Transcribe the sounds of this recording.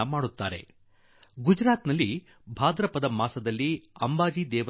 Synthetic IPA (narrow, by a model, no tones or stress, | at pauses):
ɐmaːɽut̪ːaːɾe̞̰ | ɡud͡ʒɾaːt̪nɐlːi | bʱaːd̪ɾɐpɐd̪ɐmaːsɐd̪ɐlːiɐmbaːd͡ʒid̪ɛːʋɐ